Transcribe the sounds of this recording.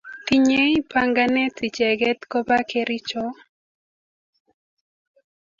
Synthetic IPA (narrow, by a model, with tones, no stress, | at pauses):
ti˦ɲ˦e˦i˦pa˦ŋɡa˦nɛ˦ti˨t͡ʃɛ˨ɡɛ˦t̪ko˦ba˦ke˦ɾɪ˦t͡ʃɔ˦